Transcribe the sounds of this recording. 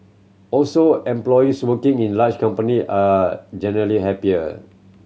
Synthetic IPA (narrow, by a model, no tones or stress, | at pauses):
ɔlsoɛ̃mplɔjiswəkĩŋĩnlat͡ʃkãmpəniʔad͡ʒɛnəɹəliɦɛpiə